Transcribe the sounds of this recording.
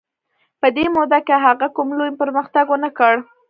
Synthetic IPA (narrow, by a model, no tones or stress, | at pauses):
pəd̪emod̪akeɦaɣakumlojpəɾməxt̪aɡwənakəɽ